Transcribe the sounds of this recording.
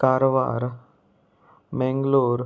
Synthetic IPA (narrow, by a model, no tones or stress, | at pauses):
kaːɾʋa̰ːɾ | mɛ̃ŋɡloːɾ